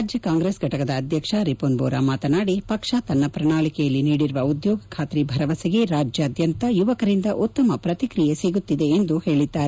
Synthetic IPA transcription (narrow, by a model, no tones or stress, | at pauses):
d͡ʒjɐkaːŋɡɾesɡʱɐʈɐkɐd̪ɐːd̪ʱjɐkʂɐɾipoːnboːɾamaːt̪ɐnaːɽipɐkʂaːt̪ɐnːɐpɾɐɳaːɭikɛjɐlːiniːɽiɾuʋɐud̪joːɡɐkʰaːt̪ɾibʱɐɾɐʋɐsɐɡe̞ɾaːd͡ʒjɐːd̪jɐnt̪ɐjuʋɐkɐɾind̪ɐʔutt̪ːɐmɐpɾɐt̪ikɾijeseːɡut̪ːid̪e̞ːnd̪uhe̞ːɭid̪ːaːɾe